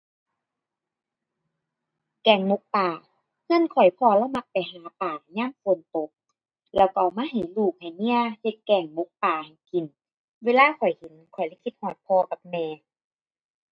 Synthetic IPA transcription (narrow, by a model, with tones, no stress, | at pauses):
kɛː˨˩ŋmo˧˦k̚paː˨˩ | ŋɯ˧˥˨ə˨nkʰɔ˨˩jpʰɔː˧˩lɛ˧˥˨wma˧˥k̚pa˨jɦaː˨˦paː˨˩ɲaː˧˥˨ŋfu˨ənt̪o˨˦k̚ | lɛː˧˩wka˨˩wmaː˧˥˨ɦa˨˩jluː˧˩k̚ha˨˩jni˧˥˨əhe˧˦t̪̚kɛː˧˩ŋmo˧˦k̚paː˨˩ha˨˩jki˨˩n | weː˧˨laː˧˥˨kʰɔ˨˩jhe˨˦nkʰɔ˨˩jlɛ˧˥˨kʰi˧t̪̚hɔː˧˩t̪̚pʰɔː˧ka˧˦p̚mɛː˧˦